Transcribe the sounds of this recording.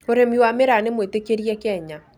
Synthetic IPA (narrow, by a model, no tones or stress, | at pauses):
oɾemiwameɾanemwetekeɾiɛkɛɲa